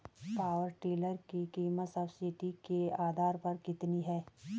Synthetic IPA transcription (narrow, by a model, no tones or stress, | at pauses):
paːwəɾʈeːləɾkikiːmət̪sɐbsɪʈikeaːd̪ʱaːɾpɐɾkɪt̪niɦɛː